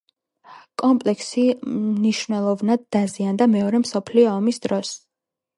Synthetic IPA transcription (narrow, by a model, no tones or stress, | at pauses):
kʼɔmpʼlɛksiniʃvnɛlˠɔvnad̪ːaziand̪amɛɔɾɛmsɔpʰliɔːmisd̪̥ɾɔs